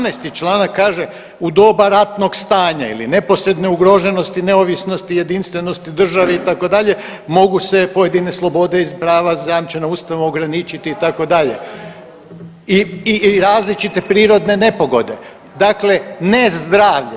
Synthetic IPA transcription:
najst̪it͡ʃlˠaːnakːaːʒe̞ | ud̪o̞baɾat̪no̞ɡst̪aːɲaḭlḭne̞po̞sɾe̞d̪neuɡɾo̞ʒe̞no̞st̪ine̞oʋisno̞st̪ije̞d̪inst̪ʋe̞no̞st̪id̪r̩ʒaʋeit̪ako̞d̪aʎe̞ | mo̞ɡuse̞po̞je̞d̪ine̞slˠo̞bo̞d̪e̞izpɾaːʋazajamt͡ʃenauːst̪aʋuoɡɾanit͡ʃit̪iːt̪ako̞d̪aʎḛ | iiɾaːzlit͡ʃit̪e̞pɾiːɾo̞d̪ne̞ne̞po̞ɡo̞d̪e̞ | d̪akle̞ne̞zd̪ɾaːʋʎ

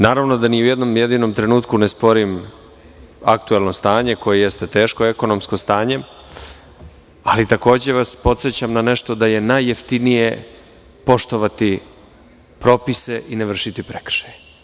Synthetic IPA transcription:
naːɾaʋno̞d̪aniujed̪no̞mjed̪ino̞mt̪ɾe̞nuːt̪kunespo̞ɾim | ak̚t̪uelˠno̞st̪aːɲe̞ko̞jejest̪e̞t̪e̞ːʃkoeko̞nomsko̞st̪aːɲe̞ | alit̪ako̞ːd͡ʑe̞ʋaspo̞t̪set͡ɕamnane̞ʃt̪o̞d̪aje̞najːeft̪inije̞ | po̞ʃt̪o̞ʋat̪i | pɾo̞pise̞ʔineʋr̩ʃit̪ipɾekr̥ʃḁj

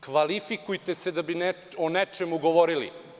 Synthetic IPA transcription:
kʋalifikujt̪esed̪abine | onet͡ʃemuɡoʋoɾilḭ

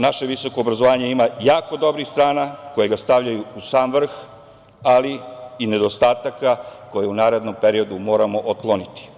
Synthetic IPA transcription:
naʃe̞ʋiso̞ko̞ːbɾazoʋaːɲe̞imajaːko̞d̪o̞bɾixst̪ɾaːnako̞jeɡast̪aʋʎajuusaːmʋr̩x | aliine̞d̪o̞st̪aːt̪akako̞jeunaːɾe̞d̪no̞mpe̞ɾio̞d̪umo̞ːɾamo̞ʔot̪̚klonit̪i̥

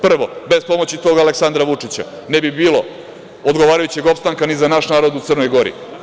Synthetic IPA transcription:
pr̩ʋo̞be̞spo̞mo̞t͡ɕit̪o̞ɡaleksand̪ɾaʋut͡ʂit͡ɕa̰ | nebibiːlo̞ | od̪ɡoʋaːɾajut͡ɕe̞ɡo̞pst̪aŋkanizanaʃnaːɾo̞d̪ut̪sr̩nojɡo̞ɾḭ

